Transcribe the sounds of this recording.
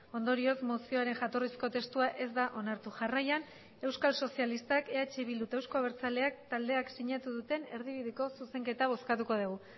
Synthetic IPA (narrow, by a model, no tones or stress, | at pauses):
o̞nd̪oɾio̞zmosio̞aɾe̞nʝat̪o̞risko̞t̪e̞st̪uaʔe̞zd̪aʔo̞naɾt̪uʝarajan | e̞wskalso̞sialist̪ake̞at͡ʃeβild̪ut̪ewsko̞aβeɾt͡sale̞akt̪ald̪eaksiɲat̪uðut̪e̞ne̞ɾðiβ̞iðeko̞suse̞ŋke̞t̪aβ̞o̞skat̪uko̞ð̞uɣ̞u